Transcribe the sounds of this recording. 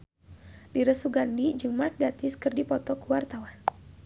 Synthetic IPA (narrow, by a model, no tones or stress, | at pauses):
diɾəsuɡandid͡ʒɨŋmark̚dat̪ɪskɨrdipɔt̪ɔkəwart̪awan